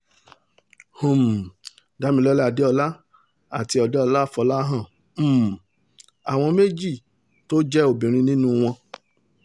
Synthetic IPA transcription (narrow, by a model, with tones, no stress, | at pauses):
hũ˨m˨ | da˨˦mĩ˧lɔ˦lde˦ɔ˧la˦ | a˦˨ti˧˦ɔ˧de˦ɔ˧la˦˨fɔ˧la˦ɦã˦˨ | m̩˦˨ | a˨w̃ɔ̃˧me˦d͡ʒi˦˨ | to˦d͡ʒɛ˦o˦˨bĩ˨ɾ̃ĩ˧nĩ˦nũ˦w̃ɔ̃˧